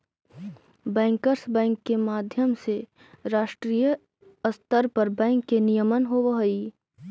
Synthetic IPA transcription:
bɛ̃ːŋkəɾsbɛ̃ːŋkːemaːd̪ʱjəmse | ɾaːʃʈɾijə | əst̪əɾpɐɾbɛ̃ːŋkːenijəmənɦoʋəɦoi

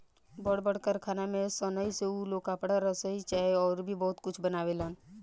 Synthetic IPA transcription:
bəɽbəɽ̤kəɾkʰaːnamẽsənəiseulokaːpɽaɾəsəit͡ʃaːeɔːɾbʱibɔːʊt̪kʊt͡ʃʰbənaːweləːn

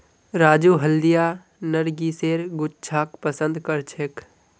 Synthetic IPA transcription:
ɾaːd͡ʒuːɦəld̪ija | nəɾɡiːseːɾɡʊt͡ʃt͡ʃʰaːk̚pəsə̃nd̪kəɾt͡ʃʰek

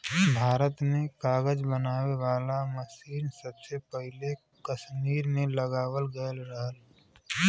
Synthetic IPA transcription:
bʱaːɾət̪nekaːɡəd͡ʒbənaːʋeʋaːlaməsiːnsəbsepəɦɪle | kəʃmiːɾmeləɡaːwəlɡəəlɾəɦəl

